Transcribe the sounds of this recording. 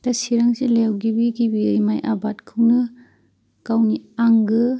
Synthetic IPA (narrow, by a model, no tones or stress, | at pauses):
tɐsiɾaŋzilewɡibiɡibimajʔa̰batkʰɯwnɯ | kawniaŋɡɯ